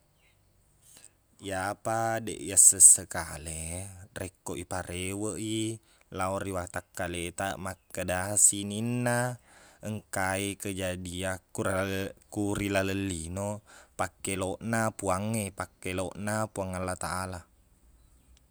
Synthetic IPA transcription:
japadḛʔjasəsːəkalerekːoʔipaɾewəʔi | laoriwat̪akːalet̪aʔmakːədasininːaəŋkaikəd͡ʒadiakːuɾauɾilaləlːinopakːeloʔnapuaŋːepakːeloʔnapuaŋalːat̪aʔala

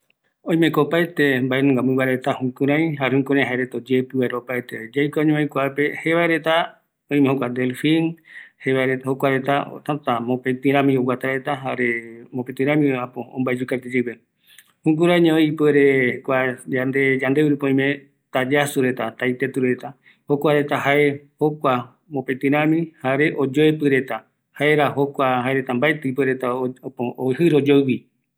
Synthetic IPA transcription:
õj̃mẽkopaet̪embaenũŋɡamɨ̃waeɾet̪ahũkũɾãj̃ɦaɾehũkũɾ̃ãj̃ɦaeɾet̪od͡ʒepɨβaeɾopaet̪ed͡ʒajkʷaɲẽojkʷape̞heβaeɾe̞t̪a | õĩmẽhokʷad̪elfĩnheβaeɾet̪hokʷaɾet̪ao̰t̪ãt̪amõpẽt̪ɨ̃ɾãmĩowat̪aɾet̪aɦaɾemõpet̪ɨ̃ɾãmĩapoõ̰mbaed͡ʒukat̪ed͡ʒewe | hũŋɡuɾaɲõipeɾekʷaand̪ed͡ʒãnd̪euɾupõĩmẽ | t̪ad͡ʒasuɾe̞t̪at̪ajt̪et̪uɾet̪a | hokʷaɾe̞t̪aɦae̞ho̞kʷa | mõpet̪ɨ̃ɾ̃ãmĩhaɾe̞ʔod͡ʒoepɨɾe̞t̪a | haeɾaɦo̞kʷaɦaeɾe̞t̪ambaet̪eipeɾe̞t̪aopooɦɨɾod͡ʒoβi

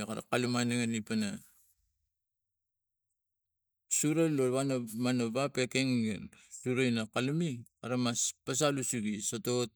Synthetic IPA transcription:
kaɾa̰kalumaneŋenipana | suɾaloβanomanoβapekeŋɡensuɾainakalumikaɾamaspas̬alusuɡisotot̚

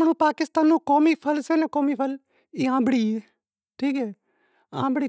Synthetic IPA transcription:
nũːpaːkɪst̪aːnːũːkoːmiːpʰəlseːnẽːkoːmiːpʰəl | iːãːbəɽiːeː | ʈʰiːkɛː | ã̰ːbəɽiː

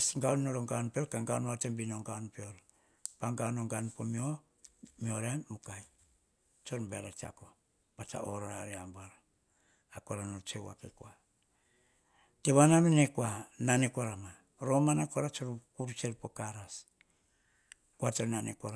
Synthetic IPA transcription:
sŋɡawnnoɾoŋɡaonpeoɾkaŋɡaonatembinoŋɡaonpeoɾ | paŋɡaonoŋɡanpomio | mioɾeːukaj | t͡ʃoɾmbeɾat͡ʃia̰ko | b̥at͡ʃa̰oɾaaɾeambaɾaː | koɾanot͡ʃewa̰kekoa | teβanaminekuananekaɾama | ɾomanakoɾat͡ʃoɾkuɾut͡ʃeɾpokaɾas | kuateɾnanekaɾa

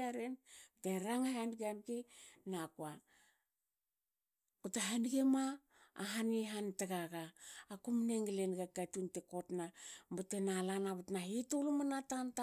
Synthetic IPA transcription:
aɾenteɾaŋaɦanɡanɡenakua | kutaɦanɡema̰ː | ɦaniɦantaɡaɡaːkumneŋɡelenɡakatuntekotnambatenalanaβatnaɦitolumanatanta

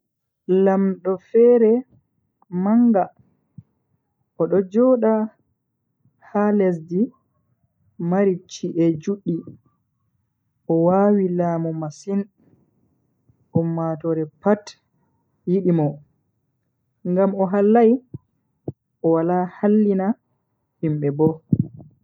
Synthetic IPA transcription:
lamɗɔfɛɾɛ | maŋɡa | ɔɗɔd͡ʒɔɗa | halɛs̬di | maɾit͡ʃːiʔɛd͡ʒuɗːi | ʔɔwaːwilaːmɔmasin | ʔɔmːatɔɾɛpat | jiɗimɔ | ŋɡamɔɦalːaj | ʔɔwalahalːina | himɓɛbɔ

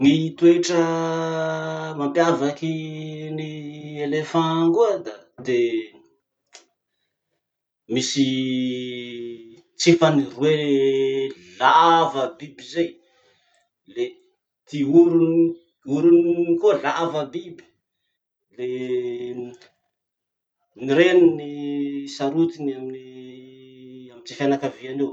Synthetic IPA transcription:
ŋit̪ueʈ͡ʂə | mampjavakinielefãŋkuad̪ad̪e | misi | t͡sefanirue | lavəbibizej | le | t̪iuɾuni | uɾuniikolavəbibi̥ | le | niɾeninisaɾut̪inamini | amit͡sefanakavianew

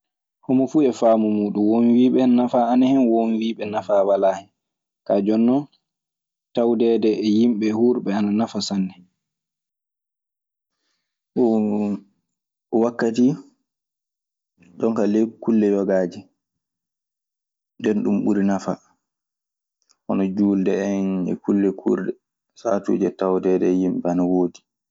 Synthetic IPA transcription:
homɔfuːɛfaːmɔmuːɗumwonwiːɓɛnnafaːnahɛnwonwiːɓɛnafawalahɛ | kaːd͡ʒɔnːɔ | tawdɛːdɛːjimɓɛhuːɾɓɛananafasanːɛ | ɔwakːati | ɗɔŋkalekulːɛjɔɡaːd͡ʒi | ndɛnɗumɓuɾinafa | ʔɔnɔd͡ʒuːldɛɛnɛ̰kulːɛkʰṵːɾdɛ | satṵːd͡ʒɛtawdɛdɛjimɓɛanawoːdi

